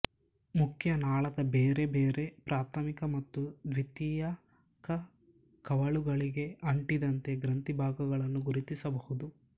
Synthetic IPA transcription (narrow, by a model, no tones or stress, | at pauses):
mukʰjɐnaːɭɐd̪ɐbeːɾe̞beːɾe̞pɾʔaːt̪ʰɐmikɐmɐt̪ːud̪ʋit̪iːjɐ | kɐ | kɐʋɐɭuɡɐɭiɡe̞ɐɳʈid̪ɐnt̪e̞ɡɾɐnt̪ibʱaːɡɐɡɐɭɐnːuɡuɾit̪isɐbɐhud̪u